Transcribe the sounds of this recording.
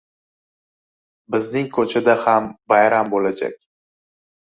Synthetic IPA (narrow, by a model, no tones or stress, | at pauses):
bɪznɪŋkʰɵt͡ʃʰad̪ahambajɾambolad͡ʒa̰kʲ